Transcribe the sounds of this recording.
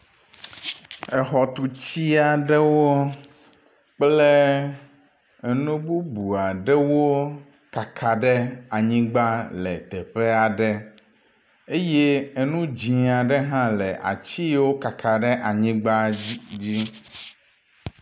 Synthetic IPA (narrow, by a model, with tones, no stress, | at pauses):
ɛ˨xɔ˨t̪u˨t͡ɕi˦a˨ɖɛ˦wo˦ | k͡ple˦˨ | nũ˦bu˦bu˨a˨ɖɛ˦wo˦ | ka˨kʰa˨ɖɛ˦a˨ɲĩ˦ɡ͡ba˦lɛ˨t̪ɛ˨ɸe˦a˨ɖɛ˦ | e˦je˦e˨nũ˦d͡ʑĩ˨a˨ɖe˦ɦã˦lɛ˨ʔa̰˨t͡ɕi˦wo˦ka˨kʰa˨ɖɛ˦ʔa˨ɲĩ˦ɡ͡ba˦d͡ʑi˦